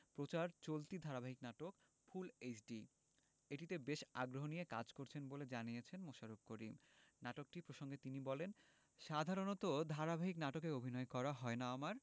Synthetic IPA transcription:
pɾot͡ɕaɾt͡ɕolt̪id̪ʱaɾabʱaɦiknaʈok | fʰulet͡ɕɖi | eʈit̪ebeʃa̰ɡɾoɦonijeka̰d͡ʑkoɾt͡ɕʰenboled͡ʑanijet͡ɕʰenmoʃaɾob̚koɾim | naʈok̚ʈipɾoʃoŋɡet̪inibɔlen | ʃad̪ʱaɾonot̪od̪ʱaɾabʱaɦiknaʈokeobʱinɔekɔɾaɦɔenaamaɾ

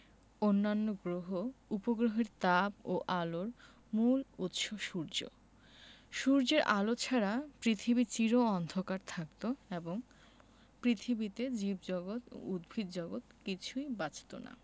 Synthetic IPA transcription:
onːanːoɡɾoɦoupoɡɾoɦeɾt̪aboʔaloɾ | mulut̪ʃoʃuɾd͡ʑo̰ | ʃuɾd͡ʑeɾʔalot͡ɕʰaɾapɾit̪ʰibit͡ɕiɾoɔnd̪ʱokaɾt̪ʰakt̪oeboŋ | pɾit̪ʰibit̪ed͡ʑibd͡ʑɔɡot̪o̰ud̪̚bʱid̪d͡ʑɔɡot̪kit͡ɕʰujbat͡ɕʰt̪o̰na̰

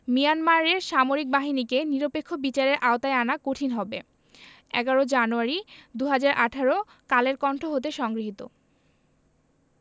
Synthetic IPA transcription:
mijanmaɾeɾʃamoɾik̚baɦinikeniɾopekʰːobit͡ɕaɾeɾʔaot̪aeanakoʈʰinɦɔbe | ɛ̰ɡaɾod͡ʑanuaɾid̪uɦad͡ʑaɾʔaʈʰaɾo | kaleɾkɔɳʈʰoɦot̪̬eʃɔŋɡɾiɦit̪o̰

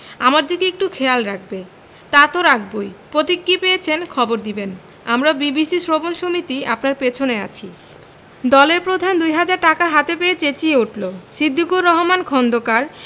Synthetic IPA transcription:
amaɾd̪ʱikeek̚ʈukʰealɾak̚ʰbe | t̪at̪oɾak̚ʰbojpɾot̪ikːipejet͡ɕʰenkʰɔboɾd̪iben | a̰mɾabibisisɾobonʃomit̪iapnaɾpet͡ɕʰonea̰t͡ɕʰi | d̪ɔleɾpɾod̪ʱand̪ujɦad͡ʑaɾʈːakaɦat̪epeet͡ɕet͡ɕieuʈʰlosid̪ʱːikuɾːɔɦomankʰɔnd̪okaɾ

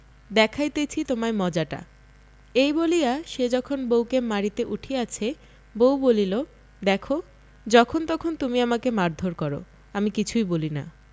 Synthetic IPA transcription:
d̪ɛkʰajt̪et͡ɕʰit̪omamɔd͡ʑaʈa̰ | ejbolijaʃed͡ʑɔkʰonbowkemaɾit̪eʔuʈʰiat͡ɕʰe | bowbolilo | d̪ɛkʰo | d͡ʑɔkʰont̪ɔkʰont̪umiamakemaɾd̪ʱoɾkɔɾo̰ | amikit͡ɕʰujbolina̰

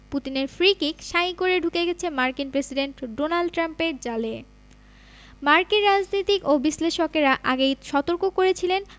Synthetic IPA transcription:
put̪ineɾfɾikikʃaikoɾeɖʱukeɡɛt͡ɕʰemaɾkinpɾesiɖeɳʈɖonalɖʈɾampeɾd͡ʑale | maɾkiɾːad͡ʑnit̪ikobisleʃokeɾaʔaɡejʃɔt̪oɾkokoɾet͡ɕʰilen

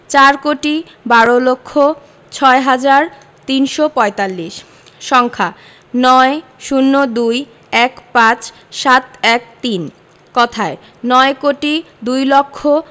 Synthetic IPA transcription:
t͡ɕaɾkoʈi | baɾolokʰːo | t͡ɕʰɔeɦad͡ʑaɾ | t̪inʃopɔet̪alːiʃ | ʃɔŋkʰa | nɔeʃunːod̪uj | ɛkpãt͡ɕ | ʃat̪ɛk̚t̪in | kɔt̪ʰae | nɔekoʈi | d̪ujlokʰːo

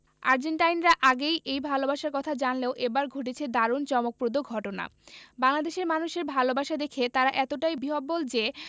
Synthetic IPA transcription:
a̰ɾd͡ʑeɳʈajnɾaʔaɡejʔejbʱalobaʃaɾkɔt̪ʰad͡ʑanleoʔebaɾɡʱoʈ̬et͡ɕʰed̪aɾont͡ɕɔmok̚pɾod̪oɡʱɔʈona̰baŋlad̪eʃeɾmanuʃeɾbʱalobaʃad̪ekʰet̪aɾaʔɛt̪oʈajbiɦobːold͡ʑe

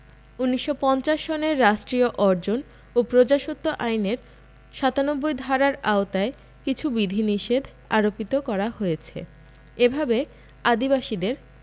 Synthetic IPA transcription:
unːiʃːopɔnt͡ɕaʃːoneɾːaʃʈɾioʔɔɾd͡ʑon | opɾod͡ʑaʃot̪ːoʔajneɾ | ʃat̪anobːojd̪ʱaɾaɾaot̪ae | kit͡ɕʰubid̪ʱiniʃed̪ʱ | aɾopit̪okɔɾahojet͡ɕʰḛ | ebʱabe | ad̪ibaʃid̪eɾ

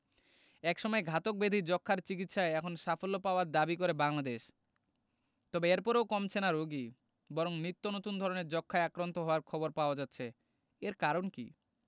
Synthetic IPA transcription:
ɛkʃɔmɔeɡʱat̪ok̚bed̪ʱid͡ʑɔkʰːaɾt͡ɕik̬it̪ʃaeɛkʰonʃafolːopaoaɾd̪abikoɾebaŋlad̪eʃ | t̪ɔbeeɾpɔɾeokɔmt͡ɕʰenaɾoɡi | bɔɾoŋnɾit̪ːonot̪und̪ʱɔɾoneɾd͡ʑɔkʰːaeakɾant̪oɦɔoaɾkʰɔboɾpaoad͡ʑat̪ːɕʰe | eɾkaɾonkḭ

